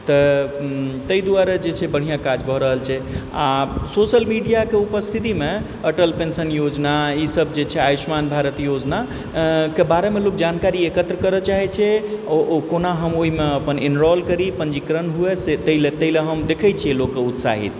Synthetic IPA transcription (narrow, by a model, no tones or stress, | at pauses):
t̪ə | t̪əid̪uaɾed͡ʒet͡ʃʰɛbəɽ̤ijãkad͡ʒbʱəɾəɦəlt͡ʃʰɛasosəlmiɖijakeupəst̪ʰit̪ime | əʈəlpensənjod͡ʒnaisəb̚d͡ʒet͡ʃʰɛajismanbʱaɾət̪jod͡ʒna | kebaɾemelokd͡ʒankaɾiekət̪ɾəkəɾət͡ʃaɦɛt͡ʃʰɛ | konaɦəmoɦimeəpəninɾɔlkəɾipənd͡ʒikɾənɦueset̪əilet̪əileɦəmd̪ekʰɛt͡ʃʰijelokːeut̪sa̰ɦḭt̪